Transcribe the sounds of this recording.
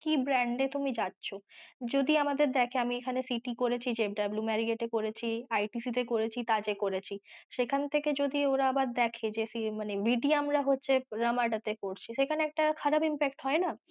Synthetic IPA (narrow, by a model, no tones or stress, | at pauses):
kibɾɛɳɖet̪umid͡ʑatːʃʰod͡ʑod̪iamad̪eɾd̪ɛkʰeamiekʰanesiʈikoɾet͡ɕʰid͡ʑep̚ɖablumɛɾieʈekoɾet͡ɕʰiajʈisit̪̬ekoɾet͡ɕʰit̪ad͡ʑekoɾet͡ɕʰiʃekʰant̪ʰeked͡ʑod̪ioɾaabaɾd̪ɛkʰed͡ʑesimanebiɖiamɾaɦotːɕʰeɾamaʈat̪ekoɾt͡ɕʰiʃekʰaneɛk̚ʈakʰaɾabimpek̚ʈɦɔena